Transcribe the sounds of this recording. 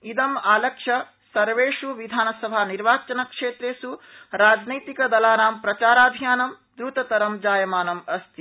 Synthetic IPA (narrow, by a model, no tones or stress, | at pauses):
id̪ɐmaːlɐkʂɐ | sɐɾʋeːʂuʋid̪ʱaːnɐsɐbʱaniɾʋaːt͡ʃɐnɐkʂeːt̪ɾeːsuɾaːd͡ʒnɐjt̪ikɐd̪ɐlaːɾaːmpɾɐt͡ʃaːɾaːb̪ʱijaːnɐm | d̪ɾuːt̪ɐt̪ɐɾɐmd͡ʒaːjɐmaːnɐmɐst̪ʰi